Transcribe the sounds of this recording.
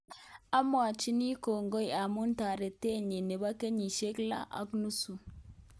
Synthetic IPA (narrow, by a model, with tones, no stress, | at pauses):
a˦mo˦a˨t͡ʃi˦ni˦ko˨ŋɡo˦ja˨mu˦nta˨ɾe˨te˦˨ɲe˨ne˨ba˦ke˦ɲi˨ʃe˦kla̰˦ʔa̰˦knu˦su˨